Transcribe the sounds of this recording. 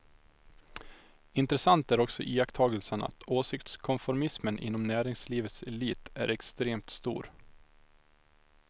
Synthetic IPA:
ɪnt̪ɾɛsant̪æɾɔksɔ̰ʔiːakt̪ʰɑːɡəlsəna̰t̪ʰoːsɪkt̪skʰɔnfɔɾmɪsmənʔɪ̰nːɔmnæːɾɪŋsliːvət̪sɛliːt̪æ̰ɾɛkst̪ɾeːmt̪st̪ṵːɾ

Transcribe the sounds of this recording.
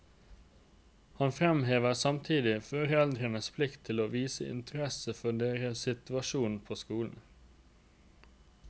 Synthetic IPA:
hɑnfɾɛmɦeːʋəsɑmt̪ʰiːd̪ɪfɔɾɛld̪ɾənəspʰlɪkt̪ʰːɪloːʋiːsəɪ̰nt̪ʰəɾɛsəfɔɖeːɾəsɪt̪ʉɑʃuːnpʰoːskuːln̩

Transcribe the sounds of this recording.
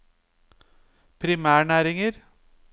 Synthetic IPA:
pɾimaːɳaːɾɪŋəɾ

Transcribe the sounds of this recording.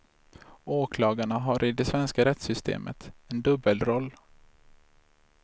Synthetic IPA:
oːkʰlɑːɡaɳaɦaɾʔɪd̪ɛsvɛnskaɾɛt̪sʏst̪ʰḛːmʔə̰t̪ɛnd̪ɵbəlɾɔlː

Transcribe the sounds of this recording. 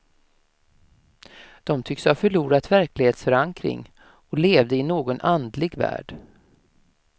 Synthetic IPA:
d̪̥ɔmt̪ʰʏkshafœɭuːɾat̪væɾklɪɡheːt̪sfœɾaŋkɾɪ̰ŋ | ɔleːvd̪əɪnoːɡɔnʔand̪lɪɡvæ̰ːɖ̥

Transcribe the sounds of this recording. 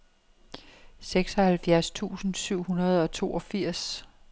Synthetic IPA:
seɡ̥sɒ̽hælfjæɐst͡sʰṵːsn̩syʊ̰hunɐð̞̩ˠɒ̽t͡sʰo̝ːɒ̽fiɐ̰s

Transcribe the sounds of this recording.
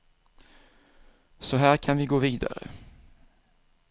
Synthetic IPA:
sɔɦæːɾkʰanvɪɡoːviːd̪a̰ɾə̰

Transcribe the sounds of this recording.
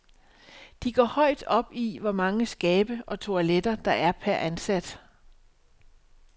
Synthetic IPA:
d̥iɡ̥ɒ̰ːhɒ̽ɪd̥ɒ̽b̥iʋɒmɑ̈ŋəsɡ̥ɛːb̥əɒ̽t͡sʰo̝æled̥ɐd̥ɑ̈ʔæɐpʰæɐʔænsæd̥

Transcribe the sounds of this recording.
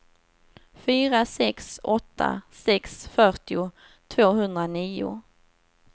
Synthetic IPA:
fyːɾasɛksɔt̪ʰːa̰sɛksfœʈɪʊ | t̪ʰvoːɦɵnd̪ɾaniːʊ̰

